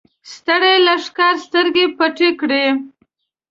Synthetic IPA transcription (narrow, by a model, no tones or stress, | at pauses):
st̪əɽajlaʂkɑɾst̪əɾɡepaʈekɽe